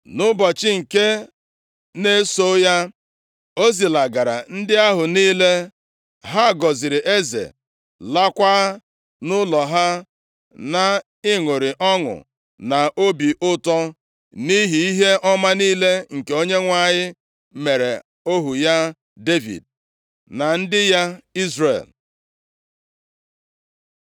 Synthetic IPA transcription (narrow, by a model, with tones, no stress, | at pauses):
nʊ˦bɔ˨t͡ʃɪ˦ŋ̩˨ke˦ | ne˦so˦ja˦ | o˦zi˨la˨ɡa˨ɾa̰˨n̩˦dɪ˦a˦ɦʊ˨niː˦le˦ | ɦa˦˨ɡɔ˨zɪ˨ɾɪ˨ʔe˦zḛ˨ | la˦kʷa˦ | nʊ˦lɔ˨ɦa˦ | na˨ | ɪ˦ŋʊ˨ɾɪ˨ʔɔ˦ŋʊ̰˨ | na˨ʔo˦bi˨ʔʊ˦tɔ˦ | ni˦ɦi˨i˦ɦe˦ʔɔ˦ma˦niː˦le˦ŋ̩˨ke˨o˦ɲe˦ŋʷa˨ɲɪ˦ | me˨ɾe˨ | o˦ɦu˨ja˦ | de˦vḭ˨d̚ | na˨n̩˦dɪ˦ja˦i˦zrḛ˨l